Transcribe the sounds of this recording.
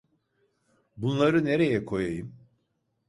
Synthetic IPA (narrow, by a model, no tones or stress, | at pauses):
bunlˠaɾɯne̞ɾe̞jɛkʰo̞jajɯm